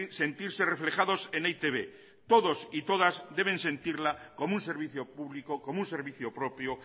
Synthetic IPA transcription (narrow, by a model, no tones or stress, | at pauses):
sẽ̞nt̪iɾsere̞fle̞χaðo̞se̞najt̪eβe | t̪oðosit̪oð̞azde̞β̞e̞nsẽ̞nt̪iɾlako̞munse̞ɾβ̞iθjopuβlikoko̞munse̞ɾβiθjopɾo̞pjo